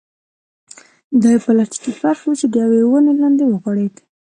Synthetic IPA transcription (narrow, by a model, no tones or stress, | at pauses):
d̪ɑjpəlaʈi̥kifaɾfwut͡ʃed̪əjawewənelɑnd̪ewəɣwaɽed̪